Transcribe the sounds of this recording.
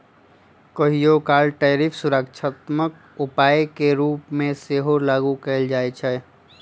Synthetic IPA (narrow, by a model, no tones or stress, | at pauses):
kəɦijokaːlʈɛːɾipʰsuɾəkt͡ʃʰət̪mək̚ | ʊpaːjkeɾuːpmẽseɦolaːɡukɛld͡ʒaːɛt͡ʃʰɛ